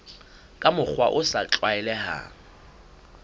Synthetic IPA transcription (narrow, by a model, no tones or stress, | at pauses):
kʼamʊk͡xwaʔʊsat͡ɬʼwaɛlɛɦa̰